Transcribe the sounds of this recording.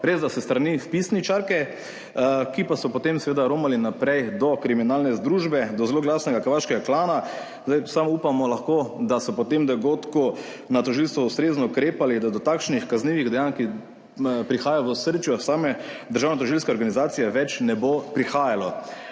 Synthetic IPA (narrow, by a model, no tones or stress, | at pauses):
ɾeːzd̪asɛst̪ɾanifpisnit͡ʃaɾkɛ | kipasɔpɔt̪emsɛʋeːd̪aɾoːmalinapɾɛjd̪ɔkɾiminaːlnɛzd̪ɾuʒbɛd̪ɔzeloːɡlaːsnɛɡakəɾʋaːʃkɛɡaklaːna | zd̪ajsamɔupamɔlaxkod̪asɔpɔt̪emd̪ɔɡoːt̪ku | nat̪ɔʒilst̪ʋɔust̪ɾeːznɔukɾeːpalid̪ad̪ɔt̪akʃnixkazniːʋiɣd̪ɛjanki | pɾixaːjaʋəsəɾt͡ʃjɔsaːmɛd̪əɾʒaːwnɛt̪̬ɔʒilskɛɔɾɡanizaːt̪sijɛʋɛt͡ʃnɛbopɾixaːjalɔ